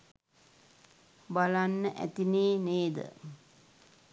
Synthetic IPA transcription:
balanːəʔæ̰t̪ineːneːd̪ə̰

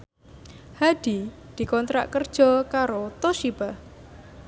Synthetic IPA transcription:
had̪̥i | d̪̥i̤kɔnt̪ɾa̰ʔkərd̥ʒ̥ɔ̤kaɾot̪oʃib̥ah

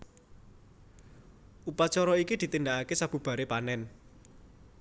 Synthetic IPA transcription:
upat͡ʃɔɾɔikid̪̥i̤t̪ind̪aʔakesab̥ṳb̥a̤ɾepanɛn

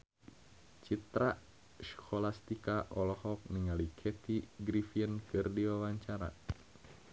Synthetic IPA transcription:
t͡ʃit̪ɾaʔ | skʰɔlast̪ikaʔɔlɔhɔk̚niŋalikʰɛt̪iɡɾifiənkɨrdiwawaɲt͡ʃaɾa̰

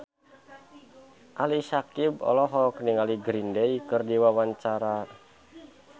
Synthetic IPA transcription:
ʔalisakibɔ̰lɔɦɔkniŋaliɡɾindeikɨrdiwawaɲt͡ʃaɾa

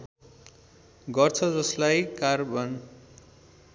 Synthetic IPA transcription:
ɡʌrt͡sʰʌd͡zʌslajkarbʱʌn

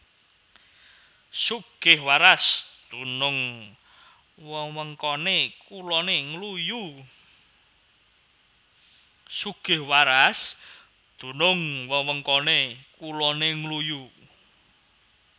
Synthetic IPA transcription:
suɡ̥ɪhwaɾasd̪̥unʊŋ | wəwəŋkɔnekulɔneŋluju | suɡ̥ɪhwaɾas | d̪̥unʊŋwəwəŋkɔnekulɔneŋluju

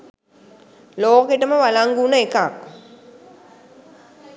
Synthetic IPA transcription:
loːkeʈəməʋalaŋɡunəekak̚

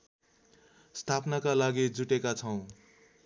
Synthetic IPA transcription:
st̪ʰapnakalaɡid͡zuʈekat͡sʰʌw̃

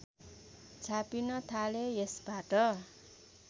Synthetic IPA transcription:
t͡ʃʰapinʌt̪ʰalejesb̥ʱaʈʌ

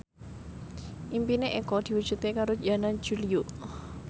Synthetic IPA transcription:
ʔimpineʔekɔd̪̥i̤wud̥ʒ̥ṳt̪ekaɾo̥anan̥d͡ʒ̥ulio

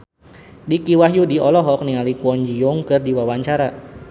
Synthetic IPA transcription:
dikiwaɦjudiɔlɔɦɔk̚niŋalikuɔɲd͡ʒijʊŋkɨrdiwawaɲt͡ʃaɾa

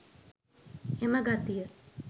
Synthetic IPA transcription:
eməɡat̪ijə

